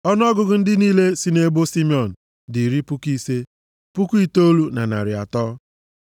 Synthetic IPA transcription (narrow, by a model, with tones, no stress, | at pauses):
ɔ˦n˦ɔ˦ɡʊ˨ɡʊ˦n̩˦dɪ˦niː˦le˦si˦ne˦bo˦si˦mi˦ɔ˨n̩˨ | di˨ɾi˦pu˦ki˦se˦ | pu˦ku˦i˦to˦lu˦na̰˨na̰˨ɾɪ˨a̰˨tɔ˦